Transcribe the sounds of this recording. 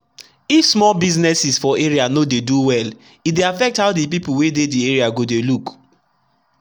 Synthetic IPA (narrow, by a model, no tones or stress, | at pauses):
ifsmɔlbiznɛsisfɔeɹianodeduwɛl | it̚deafɛk̚thaʊdip̬ipuwededieɹiaɡodeluk